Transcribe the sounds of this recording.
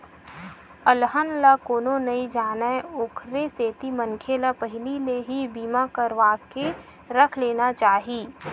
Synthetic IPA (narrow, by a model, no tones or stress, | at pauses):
əlɦənlakoːnonɐid͡ʒaːnəeokʰɾeseːt̪imə̃ŋkʰelapəɦɪlileɦibiːmakəɾʋaːke | ɾɐkʰleːnat͡ʃaːɦiː